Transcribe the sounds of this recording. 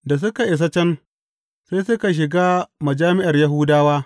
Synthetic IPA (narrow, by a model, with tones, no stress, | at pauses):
da˨s̬ʊ˦ka˨ʔɪ˨s̬ɐ˦t͡ʃɛ˦n | saː˦jsʊ˦ka˨ʃ̬ɪ˨ɡaː˦mɐ˨d͡ʒaː˦mɪ˦ʔa˨rja˦ɦʊ˦daː˦waː˦